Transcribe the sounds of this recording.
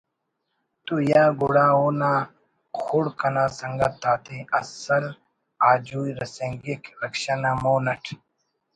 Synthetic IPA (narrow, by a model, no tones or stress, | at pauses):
t̪ujaːɡuɽaːoːnaː | xʰuɽkɐnaːsɐŋɡɐt̪ːaːt̪iɐsɐl | aːd͡ʑuːiɾɐsẽŋɡikɾɐkɕanaːmoːnɐʈʰ